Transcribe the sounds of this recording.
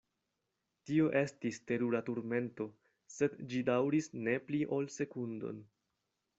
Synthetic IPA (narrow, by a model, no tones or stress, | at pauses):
tio̞ʔe̞stiste̞ɾuɾatuɾme̞nto̞ | se̞dd͡ʒidawɾisne̞pliʔo̞lse̞kundo̞̰n